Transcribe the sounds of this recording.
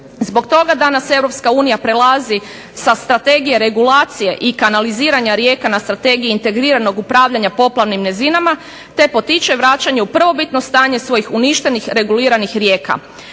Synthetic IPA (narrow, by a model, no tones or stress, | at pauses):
zbo̞kt̪o̞ɡad̪anase̞ʋɾo̞pskauːnijapɾelazi | sast̪ɾat̪e̞ɡije̞ɾe̞ɡulaːt̪sije̞ʔikanaliziːɾaɲaɾje̞ːkanast̪ɾat̪e̞ɡijiːnt̪e̞ɡɾiːɾano̞ɡupɾaːʋʎaɲapo̞plˠaʋnimnezinama | t̪e̞po̞t̪it͡ʃe̞ʋɾat͡ʃaɲe̞upr̩ʋo̞bit̪no̞st̪aːɲe̞sʋo̞jixuniʃt̪e̞nixɾe̞ɡuliːɾanixɾje̞ːka̰